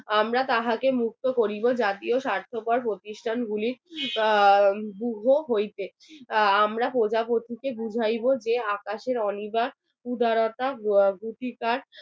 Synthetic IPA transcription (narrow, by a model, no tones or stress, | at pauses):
amɾat̪aɦakemuk̚t̪okoɾibod͡ʑat̪ioʃaɾt̪ʰopaɾpɾot̪iʃʈʰanɡʱuliɾ | buɦoɦojt̪e | amɾapod͡ʑapot̪ʰikebud͡ʑʱajbod͡ʑeakaʃeɾɔnibaɾ | pud̪ʱaɾot̪aɡuʈikaɾ